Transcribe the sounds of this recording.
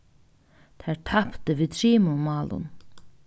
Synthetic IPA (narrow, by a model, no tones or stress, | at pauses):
t̪ʰæːɹtʰapt̪əʋiːt̪ʰɾiːmʊmɑːlʊ̰n